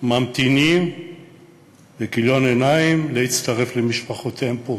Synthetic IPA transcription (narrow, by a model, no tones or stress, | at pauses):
mamt̪inim | bekiljo̞nenaimlehit͡st̪aʁe̞flemiʃpaχot̪empo